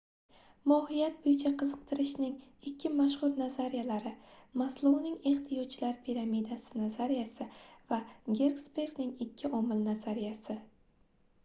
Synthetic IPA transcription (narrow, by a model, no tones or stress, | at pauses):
mɒhɪjat̪̚bojɪt͡ʃʰaqʰɨzɨq̚t̪ʰɪɾɪʃnɪŋɪkʲʰːɪmaʃhʊɾnazaɾijalaɾɪmaslˠownɪŋe̞χt̪ʰɪjɒt͡ʃːlaɾpʰiɾamid̪asɪnazaɾijasɪvaɡʲe̞ɾɡsbe̞ɾɡnɪŋɪkʲʰːɪʔɒmɪlnazaɾijasɪ